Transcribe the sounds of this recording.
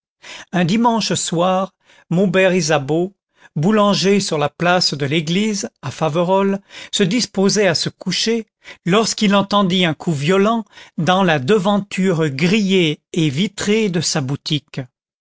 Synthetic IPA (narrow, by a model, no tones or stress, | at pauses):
ɛ̃d̪imɑ̃ʃswaʁ | mobɛʁizabo | bulɑ̃ʒesyʁlaplasd̪əleɡlizafavəʁɔlsəd̪ispozɛasəkuʃe | lɔʁskilɑ̃t̪ɑ̃d̪iɛ̃kʰuvjɔlɑ̃d̪ɑ̃lad̪əvɑ̃t̪ʰyʁɡʁijeːvit̪χed̪əsabut̪ik